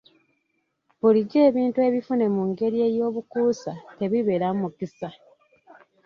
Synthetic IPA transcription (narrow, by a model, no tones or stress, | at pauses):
βuliɟe̞ːβiːntue̞ːβifune̞muŋɡe̞ɾie̞jo̞ːβukuːsate̞βiβe̞ɾammukisa